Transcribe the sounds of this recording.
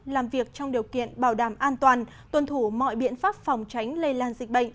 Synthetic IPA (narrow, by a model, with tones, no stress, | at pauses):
laː˨˩mvi˨˩ək̚t͡ɕɔ˧wŋ͡mɗi˨˩əwkḭ˧˨ənɓaː˧˩wɗaː˧˩mʔaː˧nt̪waː˨˩n | t̪wə˨˩nt̪ʰu˧˩mɔ̰˧˨jɓḭ˧˨ənfaː˦˥p̚fɔ˨˩wŋ͡mt͡ɕa˨˦jŋ̟lə˧jlaː˧nzï˨˩k̟̚ɓə̰˧˨ŋ